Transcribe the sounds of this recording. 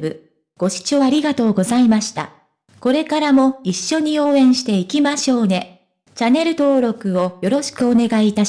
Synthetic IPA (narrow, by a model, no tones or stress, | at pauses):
bɯ̟ | ɡ̥o̞ɕi̥t͡ɕo̞aɾʲiɡat̪o̞ːɡo̞zaimaɕi̥t̪a̰ | ko̞ɾe̞kaɾamo̞iɕːo̞ɲ̟io̞ːẽ̞ɰ̃ɕi̥t̪e̞ikʲimaɕo̞ːne̞ | t͡ɕane̞ɾɯ̟t̪o̞ːɾo̞kɯ̟o̞jo̞ɾo̞ɕi̥kɯ̟o̞ne̞ɡaiːt̪a